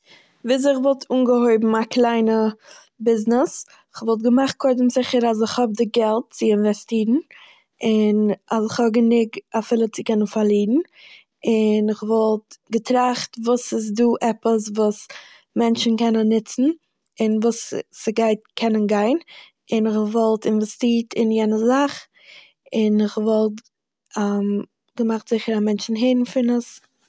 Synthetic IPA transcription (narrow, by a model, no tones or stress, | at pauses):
viːz̬ɪχvɔlˠtʰuːnɡəhoɪbm̩aklˠaɪnə | bɪznɪs | ɪχvɔlˠt̬̚ɡəmaχt̚kʰɔɪdəmzɪχəɾazɪχhɔb̚dɪɡɛlˠt̚t͡sɪɪnvɛstiːɾn̩ | ɪnazɪχhɔb̚ɡənɪɡafɪlˠət͡sɪkɛnənfaɾlˠiːdn̩ | ɪnɪχvɔlˠtɡətɾaχtvuːsɪs̬duːʔɛpəsvuːs | mɛnt͡ʃn̩kɛnənːɪt͡sn̩ | ɪnvuːsːɪɡaɪtkʰɛnənɡaɪn | ɪnɪχvɔlˠtɪnvɛstiːtʰɪnjɛnəzaχ | ɪnɪχvɔlˠt | am | ɡ̥əmaχtz̥ɪχəɾamɛnt͡ʃn̩ɦeɪdn̩fɪnəs